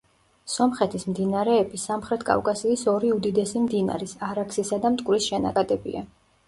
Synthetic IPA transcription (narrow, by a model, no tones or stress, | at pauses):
sɔmχɛt̪ʰismd̪inaɾɛːbisamχɾɛt̪ʰkʼa̰fkʼasiːsɔɾiud̪id̪ɛsimd̪ina̰ɾisaɾaksisad̪amt̪ʼkʼwɾisʃɛna̰kʼad̪ɛbḭa